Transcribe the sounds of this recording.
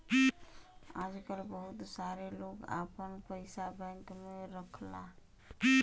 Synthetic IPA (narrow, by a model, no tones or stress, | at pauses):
ad͡ʒkəlbəɦut̪saɾeloka̰pənpəɪsabənk̪meɾəkʰla